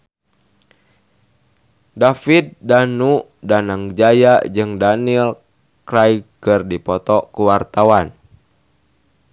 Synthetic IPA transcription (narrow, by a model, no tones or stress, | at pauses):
dafit̪̚danu | danaŋd͡ʒajad͡ʒɨŋdanil | kɾajkɨrdipɔt̪ɔkuwart̪awan